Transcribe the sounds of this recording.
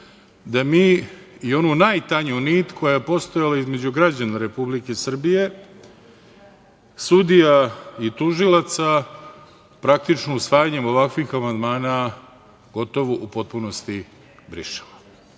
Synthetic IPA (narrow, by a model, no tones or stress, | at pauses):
d̪amiːio̞nunajt̪aɲuniːt̪kʰo̞jajepo̞st̪o̞jalaizme̞d͡ʑuɡɾad͡ʑanaɾe̞publike̞sr̩bije̞ | sud̪ijait̪uʒilat̪sa | pɾak̚t̪it͡ʃnousʋaːjaɲe̞mo̞ʋakʋixamand̪maːna | ɡ̥o̞t̪o̞ʋoʔupo̞t̪̚puno̞st̪i | bɾḭʃe̥la